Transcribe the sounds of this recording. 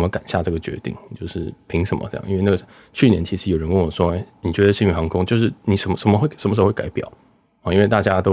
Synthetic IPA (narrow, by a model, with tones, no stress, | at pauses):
mə˦ka̰˨˩nɕja˥˧ʈ͡ʂɤ˥˩ɡə˩t͡ɕɥɛ̰˧˥t̪ḭ˥˩ŋ˨t͡ɕjo˥˧ʊʂɻ̩˥˩pʰi˧˥ŋʂə˨˥nmʔə̰˦ʈ͡ʂjɑ̰˥˧i˥˧wn˥˩ɡə˨˩˥ | t͡ɕʰy˥˩njɛ˧˥nt͡ɕʰi˧˥ʂɻjo˨˩ɻə˧˦nwə˥˩wɔ˨˩ʂwɔ˥e˥˩ɪni˨˩t͡ɕɥɛ˧˥d̪ə˧˩ɕi˥˩y˧˥˩xɑ˧˥ŋkʰʊ˥ŋt͡ɕjo˥˧ʂ̬ɻ̩˥˩ni˨˩ʂə˧˥nmə˧ʂə˧˥nmə˧xwe˥˩ɪʂə˧˥mə˧ʂ̬o˥xwe˥˩ka˧˥ɪpjɑ̰˨˩˦ʊ | ɑ˥˧˦i˥nwe˥˧ɪt̪a˥˩t͡ɕja˥t̪o˥ʊ